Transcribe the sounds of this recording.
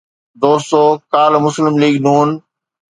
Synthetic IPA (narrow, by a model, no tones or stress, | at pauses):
d̪oːsoːkaːlmʊslɪmliːɡnuːn